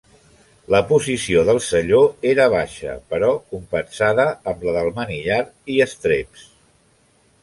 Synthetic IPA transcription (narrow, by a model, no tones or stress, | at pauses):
ləpuzisioðəlˠsəʎoeɾəβ̞aʃə̰pəɾɔkumpənsaðəəmləðəlˠməniʎaɾiəst̪ɾeps